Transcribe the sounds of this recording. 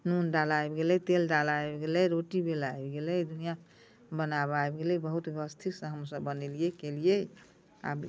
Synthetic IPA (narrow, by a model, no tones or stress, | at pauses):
nunɖalajbɡelɛt̪elɖalaebɡelɛɾoʈibelaebɡelɛjd̪unija | bənabajbɡelɛbəɦut̪ɡəst̪ʰiksə̃ɦəmsəbːənelijekelije | a̰b